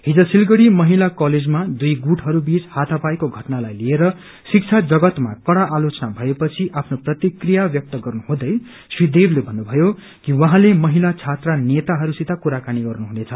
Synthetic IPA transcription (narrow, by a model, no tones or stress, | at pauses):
ɦid͡zʌsilɡʌɽimʌɦilakʌled͡zmad̪ujɡuʈɦʌɾubit͡shat̪ʰʌpajkoɡʱʌʈnalajlieɾʌ | sik̚t͡sʰad͡zʌɡʌt̪makʌɽaʔːlot͡sʌnabʱʌepʌt͡sʰiʔapʰnoprʌt̪ikrijabjʌk̚t̪ʌɡʌrnuɦũd̪ʌj | swid̪eblebʱʌnːubʱʌjo | kiwʌɦãlemʌɦilat͡sʰat̪ranet̪aɦʌɾusit̪akuɾakaniɡʌrnuɦunet͡sʰʌ